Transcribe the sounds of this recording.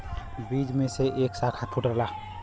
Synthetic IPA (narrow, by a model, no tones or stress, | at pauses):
bid͡ʒmẽseʔeːksakʰap̪ʰuʈəɾla